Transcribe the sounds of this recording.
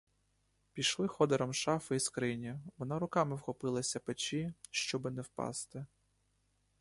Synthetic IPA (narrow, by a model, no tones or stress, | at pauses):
pʲijʃlˠɪxɔd̪eɾɔmʃɑfɪiskɾɪnʲiʋɔnɑɾʊkɑmɪwxɔpɪlˠɐsʲɐpet͡ʃiʃt͡ʃɔbɪnɛwpɑ̰st̪ɪ